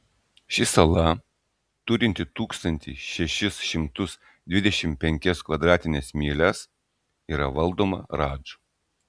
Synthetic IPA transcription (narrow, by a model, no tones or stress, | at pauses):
ʃʲɪsɐlˠɐ | t̪ʊɾʲɪnʲt̪ʲɪt̪uːkst̪ɐnʲt̪ʲɪʃʲɛʃʲɪsʃʲɪmt̪ʊs | d̪ʲʋʲɪd̪ʲɛʃʲɪmpʲɛŋʲkʲɛskʋɐd̪ɾɑːt̪ʲɪnʲɛːsmʲiːlʲɛs | iːɾɐʋɐlˠd̪oːmɐ̰ɾɑːd͡ʒɐ